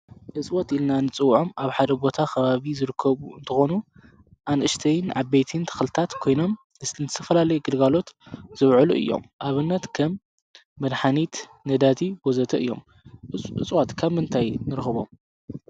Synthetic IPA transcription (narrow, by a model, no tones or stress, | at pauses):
ʔɨt͡sʼwot̪ilnanɨt͡sʼɨwːʕo̞mʔaβħad̪ɐbo̞t̪ʰakʰɐβaβizɨɾɨkʰːɐβuɨnt̪ʰɨxonu | ʔanʔɨʃt̪ʰɐjnʕabejt̪ʰint̪ʰɐ̥xlɨt̪ʰat̪kʰo̞jno̞m | ɨsnt̪ʰɨt̪ʰɐ̥fɐlalɐjuɡɨlɡalo̞t̪z̥ɨβʕɨluʔɨ̰jːo̰mʔaβɨnːɐt̪kʰɐmː | ɐd̪ħanit̪nɐd̪at̪ʰibozɐt̪ʰɐʔɨ̰jːo̞̰m | ɨt͡sʼwot̪kʰaβmɨnt̪ʰajnɨɾxɨβo̞̰m